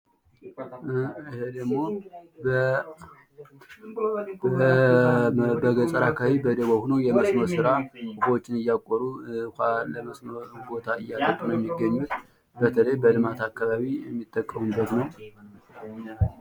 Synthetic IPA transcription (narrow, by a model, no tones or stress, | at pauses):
hed̪əɡmo̞b | bəɡət͡sʼəɾakʰawibəd̪əwohunojɛməsməsɨɾakufwot͡ʃʼːɪnɨjːakʼoɾukʷaləməsməbo̞t̪ʰaɨjːat̪ʼət̪ʼːunəwjɛmːiɡːəɲːut̪ | bət̪ʰələjbəlɨmat̪ʰakːaβaβijɛmːit̪ʼːəkʼːəmunbːət̪nəw